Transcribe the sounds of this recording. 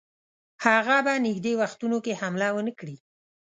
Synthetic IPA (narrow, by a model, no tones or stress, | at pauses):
haɣabanɪɡd̪ewaxt̪unokehamlawənəkɽi